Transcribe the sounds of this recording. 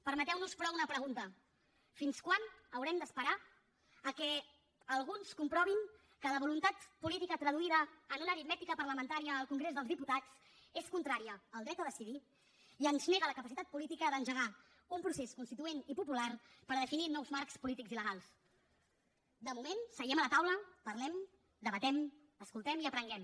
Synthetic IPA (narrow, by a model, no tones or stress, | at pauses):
pəɾmət̪ɛwnuspɾɔunəpɾəɣ̞unt̪ə | finskwanəwɾɛmd̪əspəɾa | əkɛ | əlˠɣunskumpɾɔβiŋ | kələβulunt̪at̪pulit̪ikət̪ɾəðuiðəːnunəɾit̪mɛt̪ikəpərləmənt̪aɾiəːlˠkuŋɡɾezðəlzðiput̪at͡s | eskunt̪ɾaɾiəːlˠd̪ɾɛt̪əðəsiði | iənzneɣələkəpəsit̪at̪̚pulit̪ikəðənʒəɣa | umpɾuseskunst̪it̪uenipupularpəɾðəfininɔwzmaɾkspulit̪ikziləɣalˠs | d̪əmumensəɣɛmələt̪awləpəɾlɛm | d̪əβət̪ɛm | əskulˠt̪ɛmiəpɾəŋɡɛm